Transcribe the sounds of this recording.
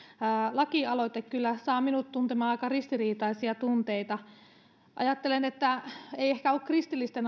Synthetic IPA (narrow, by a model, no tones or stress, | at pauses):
lɑkiɑlot̪ekkylːæsɑːminut̪t̪unt̪emɑːɑikɑrist̪iriːt̪ɑisiɑt̪unt̪eit̪ɑ | ʔɑ̰jɑt̪ːelenet̪ːæeiehkæokrist̪ilːist̪en